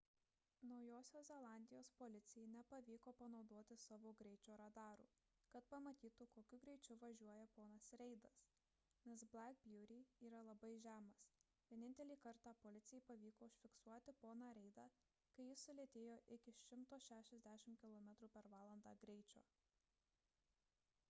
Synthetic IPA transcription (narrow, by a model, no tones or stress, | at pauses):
nɒʊjoːsʲoːszʲɛlˠɑˑnʲd̪ʲɪjoːspolʲɪt̪sʲɪjɛɪnʲɛpɐʋʲiːkoːpɐnɒʊd̪oɔt̪ʲɪsɑʋoːɡɾʲɛɪt͡ʃʲoːɾɐd̪ɑːɾṵː | kɐt̪pɐmɐt̪ʲiːt̪ʊkoːkʲʊɡɾʲɛɪt͡ʃʲʊʋɐʒʲuɔjɛpoːnɐsɾʲɛɪd̪ɐs | nʲɛsbʲlʲæk̚bʲjuːɾʲiiːɾɐlˠɐbɐɪʒʲæːmɐs | ʋʲiɛnʲɪnʲt̪ʲɛlʲiːkɐɾt̪ɑːpoːlʲɪt̪sʲɪjɛɪpɐʋʲiːkoːʊʃʲfʲɪksuɔt̪ʲɪpoːnɑɾʲɛɪd̪ɑː | kɐɪjɪsːʊlʲeɛt̪ʲeːjoːʔɪkʲɪʃʲɪmt̪oːʃʲæːʃʲɛzʲd̪ʲæʃʲɪmkʲɪlˠɔːmʲɛt̪ɾuːpʲɛɾʋɑːlˠɐnd̪ɑːɡɾʲɛɪt͡ʃʲoː